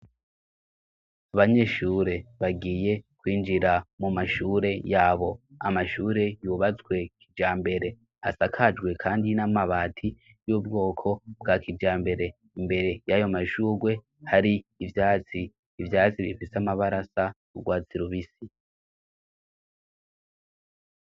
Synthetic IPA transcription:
aβaɲe̞ːʃuːɾe̞βaɡiːje̞kwiːnd͡ʒiɾamumaʃuːɾe̞jaːβo̞a̰maʃuːɾe̞juβat͡swe̞kʰid͡ʒaːmbe̞ɾe̞ | a̰sakʰad͡ʒɡwe̞kʰaːndinamaβaːtʰi | juːbɡo̞ːkʰo̞bɡakʰid͡ʒaːmbe̞ɾe̞ | imbe̞ɾe̞jajomaʃuːɡwe̞ | haɾiːvjaːt͡siː | vjaːt͡siβifiseamaβaɾasa | uɡwaːt͡siɾuβisi

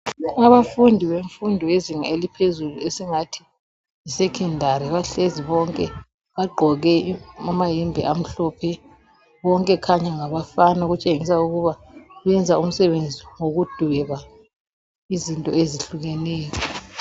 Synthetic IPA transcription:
aβafundʱiβeɱfundʱɔeziŋelipʰezuluesiŋatʰi̥ | isɛkʰɛndʱaɾiβaɬeziβɔŋkʼɛ | βaɡ͡ǃʱɔɣɛamaɦɛmbʱḭʔam̩ɬɔːpʰɛ | βɔŋkʼɛkʰaɲɛŋaβafanaɣut͡ʃʼeŋisauɣuβaβɛnd͡zʱaum̩sɛβend͡zʱiŋoɣud̥ʱwɛɣa | izintʼɔeziɬuɣɛnɛːjɔ

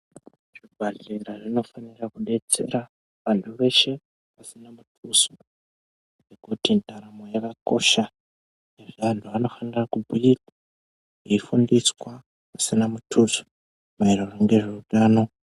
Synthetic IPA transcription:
ʐibʱaɮeɾaʐino̞fanirakuɗe̞t͡se̞̰ɾa | ʋantʰuʋe̞ʃe̞ | pasinamutʰuso | ŋŋɡekutintaɾamo̞jakako̞̰ʃa | neʐantʰuano̞fanirakubʱujikḁ | iifundiswa | pasinamutʰuso̥ | mairoroŋɡe̞ʐeuɗaːno̞

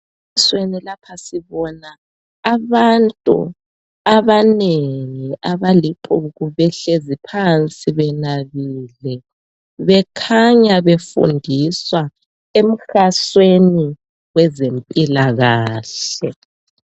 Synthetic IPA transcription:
swenilapʰasiβɔnaː | βantʼṵ | aβaneŋiʔaβaliǃʰuɣuβɛɬezipʰant͡sʼiβɛnaβiːlɛ | βɛkʰaɲaβefṵndʱiswa | em̩xasweni | wɛzempʼilaɣaːɬɛ

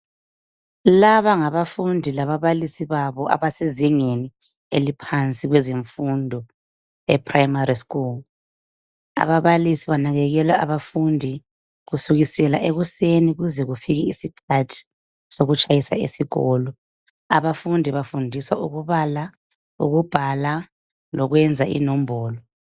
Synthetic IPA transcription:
laβaŋaβafundʱilaβaβalisiβaβɔʔa̰βaseziŋeni | elipʰant͡sʼiɣwɛziɱfundʱɔ | ɛ̰pʰʼrajmariskul | a̰βaβalisiβanaɣɛɣɛlwaaβafundʱi | ɣusuɣisɛlaʔeɣuseniɣuzɛɣufiɣiisikʰatʰi̥ | soɣut͡ʃʼajisa̰ḛsiɣɔlɔ | a̰βafundʱiβafundʱiswauɣuβala | ṵɣub̥ʱala | lɔɣwɛnd͡zʱaʔḭnɔmbʱɔːlɔ

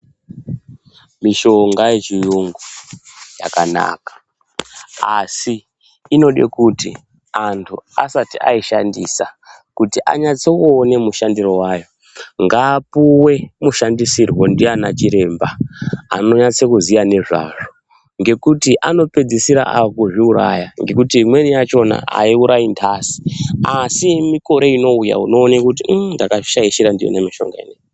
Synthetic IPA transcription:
miʃo̞ŋɡajet͡ʃijuŋɡuja̰kana̰ːkḁ | asiː | no̞ɗe̞̰kuti | antʰua̰satia̰iʃandisa | kutiʔa̰ɲat͡seuːne̞muʃandiro̞wajo̞ | ŋɡaːpuwe̞muʃandisirwo̞ndianat͡ʃiɾe̞mba̰ː | no̞ɲat͡sekuzijane̞ʐa̰ʐo | ŋɡe̞kutiʔano̞pe̞d͡zisiɾa̰ʔakuʐiuɾa̰jaŋɡe̞kutimwe̞nijat͡ʃo̞na̰a̰iuɾajintʰasi̥asimiko̞ɾe̞ino̞uja̰uno̞ːnekut̬indakaʃaiʃiɾandijo̰nemiʃo̞̰ŋɡa̰ḛneŋ

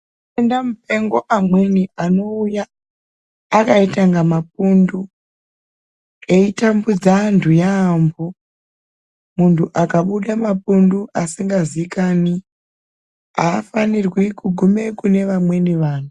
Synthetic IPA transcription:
endamupe̞ŋɡo̞ʔamweniʔano̞ujaː | kaitaŋɡamap̚undu | e̞itambud͡zandujaːmbo | muntʰuʔakaɓuɗamapunduʔasiŋɡaziikani | aːfanirwikuɡʱume̞kune̞ʋamwe̞niʋaːn̤u

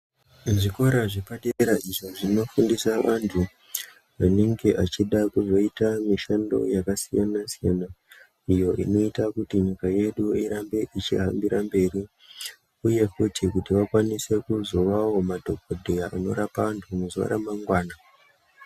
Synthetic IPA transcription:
ʐiko̞ɾaʐepaɗeeɾaʔiʐoʐino̞fundisaʋantʰu | ʋane̞ŋɡe̞ʔat͡ʃiɗakuzo̞itamiʃando̞̰jakasijanasija̰na | ijo̞ʔino̞itakutiɲikaje̞ɗuiɾambe̞ʔit͡ʃḭɦambiɾambe̞ːɾi | uje̞kutʰikutiʋakwanise̞kuzo̞ʋawo̞madʱo̞k̚odʱejaʔano̞̰ɾapaantʰumuza̰ɾa̰maŋɡwaːna

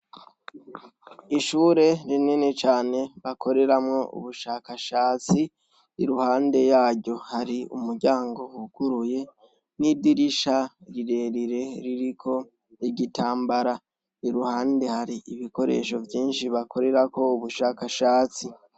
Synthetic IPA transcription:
iʃuːɾe̞ɾinene̞t͡ʃaːne̞βakʰo̞ɾe̞ɾamŋo̞ʔṵβuʃakaʃaːt͡si | iɾuhaːnde̞jaːɟɟo̞haɾiṵmuɾɟaːŋɡo̞uɡ̥uɾuje̞ | nidiɾiʃaɾiɾeɾiɾe̞ɾiɾikʰo̞ | iɟitaːmbaɾa | iɾuhaːnde̞haɾiʔiβiko̞ɾe̞̰ʃo̞vjiːnʃiβako̞ɾe̞ɾako̞uβuʃakaʃaːt͡si

